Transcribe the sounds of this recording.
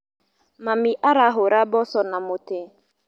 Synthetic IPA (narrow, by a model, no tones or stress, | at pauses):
mamiʔaɾaɦʊɾabɔsɔnamote